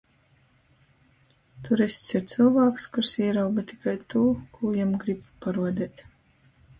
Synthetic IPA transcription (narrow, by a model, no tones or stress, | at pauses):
t̪uɾesʲt̪sit̪sɨlˠvaːkskuɾsiɛɾawbat̪i̥kajt̪uːkʰuːjamɡɾibpaɾuɔd̪ʲɛːt̪